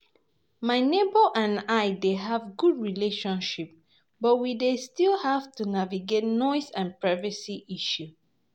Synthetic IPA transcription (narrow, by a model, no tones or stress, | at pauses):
maɪnebəʔãnaɪdeɦavɡudɹileʃɔ̃nʃip̚ | bɔt̚widestilˠhavtunaviɡet̚nɔɪsãnpɹaɪvəsiʔiʃu